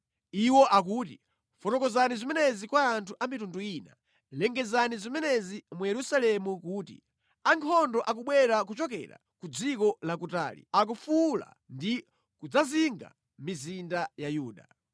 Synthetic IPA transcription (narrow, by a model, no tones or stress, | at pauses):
iwɔʔak̬uːti | fɔtɔkɔzanizimɛnɛzikwaːntʰuʔamitunduiːna̰ | lɛŋɡɛzanizimɛnɛzimujɛɾusalɛmukuːtḭ | aŋkʰɔndɔʔak̬uɓwɛɾak̬ut͡ʃɔk̬ɛ̰ɾa̰kud͡zikɔlak̬uta̰ːlḭak̬ufula̰ | ndi | kud͡zaziŋɡa̰ | mizindajajuːɗa̰